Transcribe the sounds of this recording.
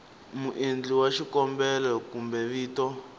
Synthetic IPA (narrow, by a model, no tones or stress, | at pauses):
muʔend͡ɮiwaʃikɔmbɛlɛkumbɛβiːtɔ